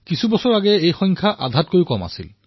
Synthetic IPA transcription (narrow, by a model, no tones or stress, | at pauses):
kisʰubɔsɔɹaɡɛejxɔ̃jŋkʰaʔadʱat̚kojukɔma̰sil